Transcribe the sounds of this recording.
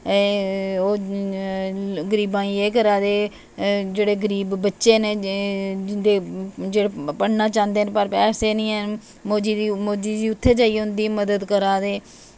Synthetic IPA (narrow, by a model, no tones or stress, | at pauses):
oː | ɡəɾiːbãːiːeːk̬əɾaːd̪eː | d͡ʒeːɽeːɡəɾiːbːətːʃeːneː | ɪnd̪eːd͡ʒeːɽeːpəɽnaːt͡ʃãːnd̪eːnpəɾpɛːseːnĩːɛː | moːd͡ʒiːd̪imoːd͡ʒiːd̪iːʊt̪ʰːeːd͡ʒaːiːɦʊ̃nd̪iːməd̪əd̪kəɾaːd̪eː